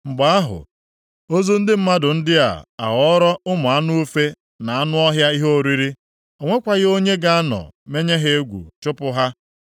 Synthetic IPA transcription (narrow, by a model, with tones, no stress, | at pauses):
ŋ͡m̩˨ɡ͡ba˨a˦ɦʊ̰˨ | o˦zo˦n̩˦dɪ˦m̩˦ma˦dʊ˨n̩˦dɪ˦a̰˨a̰˨ɦɔ˦ɾɔ˦ʊ˦mʊ˨a˦nu˦u˦fe˦ | na˨a˦nʊ˦ɔ˦ɦja˦i˦ɦo˦o˨ɾi˦ɾi˦ | o˨ŋʷe˦kʷa˨ɣɪ˦o˦ɲe˦ɡa˦a˦nɔ̰˨me˦ɲe˦ɦe˦e˦ɡʷṵ˨t͡ʃʊ˦pʊ˦ɦa˦